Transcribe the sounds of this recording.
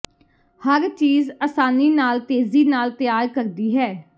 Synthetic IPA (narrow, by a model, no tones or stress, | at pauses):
həɾt͡ʃiːzəːsaːniːnaːlt̪eːziːnaːlt̪ɪjaːɾkəɾd̪iːɦɛː